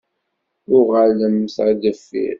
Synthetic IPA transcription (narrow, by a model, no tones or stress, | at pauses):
ʊʁələmθad̪əfːḭɾ